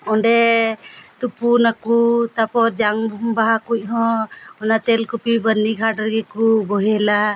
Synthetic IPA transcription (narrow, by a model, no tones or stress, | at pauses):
ɔɳɖɛ | t̪upunakut̪apɔɾd͡ʒaŋbʱumbaɦakuc̚ɦɔ̃ɔnat̪ɛlkupibəɾnikʰaɖəɾɡɛkubɔɦɛla